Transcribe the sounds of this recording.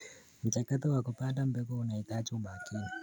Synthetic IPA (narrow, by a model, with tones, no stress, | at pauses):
mu˨t͡ʃakati˦wa˨kupa˦nda˦m̩be˦ko˦una˨i˨ta˦t͡ʃu˦ɓa˨kiː˦ni˨